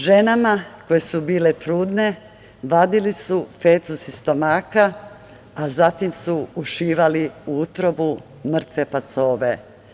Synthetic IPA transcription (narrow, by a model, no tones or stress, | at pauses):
ʒe̞namako̞je̞subiːle̞t̪ɾuːd̪ne̞ | ʋad̪ilisufeːt̪usist̪o̞maːka | azat̪imsuuʃiːʋaliuut̪ɾo̞bu | mr̩t̪ʋe̞paso̞ːʋe̞